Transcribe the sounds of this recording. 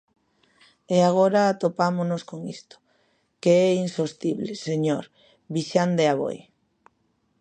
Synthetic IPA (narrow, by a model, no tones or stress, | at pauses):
eaɣ̞oɾaːt̪opamonoskoŋist̪o̥ | keɛinsost̪iβleseɲoɾ | βiʃand̪eaβ̞o̰j